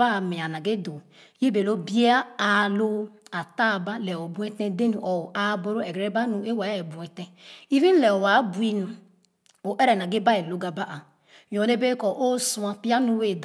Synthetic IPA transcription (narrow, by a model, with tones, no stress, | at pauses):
a˦˨me˨a˨na˨ɡe˦do˨ | je˦be˨lo˦bi˦a˦a˨lo˦a˨ta˦˨ba˦lɛ˨o˨bu˦ɛ˦tɛ̃˦de˦nu˨ʔɔ˨ʔa˦bo˦ɾo˦ɛ˨ɡɾe˦ba˦nu˨e˦wa˨˦ɛ˨bu˨ɛ˨tɛ˦i˦vi˦n˦lɛ˨o˨wa˨˦bu˨i˦nu˨ | o˨ʔɛ˦ɾɛ˨na˨ɡe˦ba˦e˨lo˦ɡa˨ba˦ʔa˨ | jo˨ne˦be˦kɔ˨ʔo˦su˦a˨pi˦a˦nu˦we˨d